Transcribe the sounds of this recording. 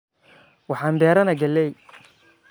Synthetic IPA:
wɑħɑːnbɛːɾɐnɐɡɐlːɛj

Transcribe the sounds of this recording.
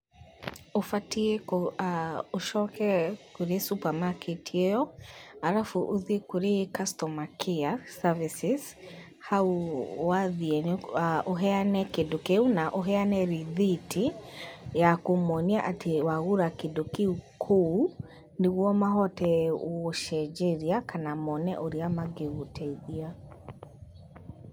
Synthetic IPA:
ofatiɛkoaoʃɔkɛkoɾesupamakʰetʰijejɔhaɾafuʔoðekoɾekastɔmakʰiasavisiz | hauwaðiɛnaʔoɦɛanɛkedokeunaʔoɦɛanɛɾiðitʰi | jakomɔniaʔatʰewaɣuɾakedokeukʰo | neɣwɔmaɦɔtɛːʃɛd͡ʒeɾiakanamɔnɛʔoɾiamaɡeɣutʰɛiðia

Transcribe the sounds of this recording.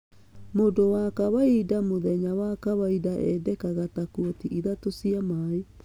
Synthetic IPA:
modowakaβaidamoðɛɲawakaβaidaʔɛ̰dɛkaɣatakuɔtiʔiðatosiamae

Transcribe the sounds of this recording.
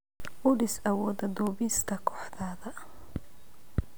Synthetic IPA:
ʔʊɽɪsɐwɔːðɐd̪ɔːβɪst̪ʰɐkʰɔ̥ħðaːðɐ

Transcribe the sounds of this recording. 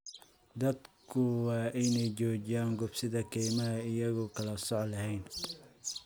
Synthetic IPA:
d̪ɐd̪kʰʊwɑːʔɪnɛjt͡ʃɔːt͡ʃɪjaːŋɡʊbsɪðɐkʰɛjmɐɦɐɪjɐɣʊkʰɐlɐsɔʕlɐɦɛjn

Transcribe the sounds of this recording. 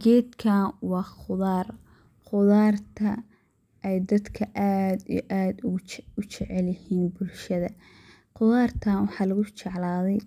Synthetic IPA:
ɡɛːd̪kʰanwɑːχʊðaːr | qʊðaːrt̪ʰɐ | ʔɛjd̪ɐd̪kʰɐʔaːd̪ijʔaːd̪ʊʊt͡ʃɛʕɛlɪhiːnbʊlʃɐðɐ | qʊðaːrt̪ʰaːnwɑħɑːlɐɣʊt͡ʃɛʕlaːðɛj

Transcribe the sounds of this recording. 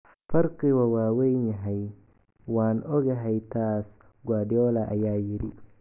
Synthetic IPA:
fɐrkʰiːwɐwaːwɛjnjɐɦɛj | waːnɔɣɐɦɛjt̪ʰaːs | ɡwaːɖɪɔːlɐʔɐjaːjɪɾɪ

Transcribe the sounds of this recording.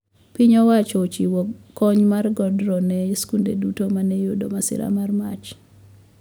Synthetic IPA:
piɲɔwat͡ʃɔt͡ʃiwɔkːɔɲmarɡɔdɾɔnɛskundḛdutomanɛjodo̰masɪ̰ɾa̰marmat͡ʃ

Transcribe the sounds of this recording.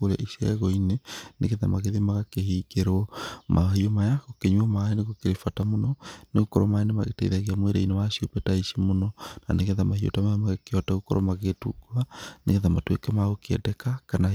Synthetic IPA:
oɾa̰ʔisɛ̰ɣɔinenḛɣeðamaɣeðimaɣakehikeɾɔmʔa̰ɦiomajaɣokeɲwɔmaeneɣokeɾefatamonɔneɣokɔɾomaenema̰ɣḛtɛ̰iðaɣeamweɾḛinewaʃiopɛtaiʃimonɔna̰neɣeðamahio̰tamamaɣekeɔtaɣokɔ̰ɾɔ̰maɣetuɡuanḛɣeðamatwekɛmaɣokeɛ̰dɛkakana

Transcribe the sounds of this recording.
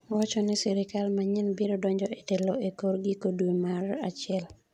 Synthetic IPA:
wat͡ʃɔnɛsɛɾɪkalmaɲɪnbiɾodɔɲd͡ʒɔetɛloekoɾɡikodumarat͡ʃɪɛl

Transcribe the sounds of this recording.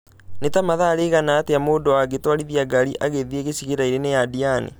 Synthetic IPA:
netamaðaɾeɣanaːteamoːdowaɡetwaɾiðiaɡaɾiʔaɣeðieɣeɕiɣeɾaiɾenejadianḛ

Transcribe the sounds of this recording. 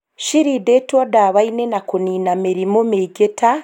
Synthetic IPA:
ʃiɾidetodaβainenakuniːnameɾimomeɡeta

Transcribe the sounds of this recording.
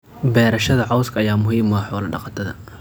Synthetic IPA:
bɛːɾɐʃɐðɐʕɑwskʰɐɐjaːmʊɦiːmɐħɔːlɐɖɑ̰qɑt̪ʰɐðɐ̰

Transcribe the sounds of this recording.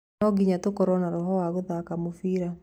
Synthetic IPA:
ɔɡiɲatokɔɾɔnaɾɔɦɔwaɣoðakamofiːɾa

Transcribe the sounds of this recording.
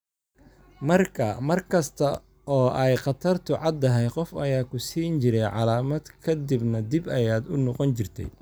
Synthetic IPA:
mɐrkʰɐmɐrkʰɐst̪ʰɐ | ʔɔːʔɛjqɑt̪ʰɐrt̪ʰʊʕɑd̪ɐɦɛjqɔfɐjaːkʰʊsiːnt͡ʃɪɾɛjʕɑ̰laːmɐd̪kʰɐd̪ɪbnɐd̪ɪbɐjaːd̪ʊnɔqɔnt͡ʃɪrt̪ʰɛ̰j

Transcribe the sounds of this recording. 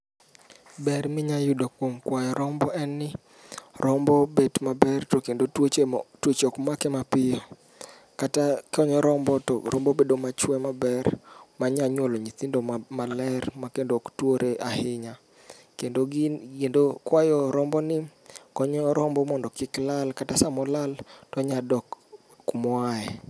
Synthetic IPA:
bɛrmɪɲajʊdokwomkwajɔɾɔmbɔʔɛnːɪ | ɾʔɔmbɔbedmabɛrtokendotot͡ʃtwot͡ʃɔkmakɛmapɪjɔ | katakɔɲɔɾɔmbɔtɔɾʔɔmbɔbedomat͡ʃwɛmabɛrmaɲaɲwɔloɲit̪indomalɛrmakendoktwoɾeʔahɪɲa | kendoɡkendokwajɔɾɔmbɔnɪkɔɲɔɾɔmbɔmɔndɔkɪklalkatasamɔlaltɔɲadɔkː | mwaɛ

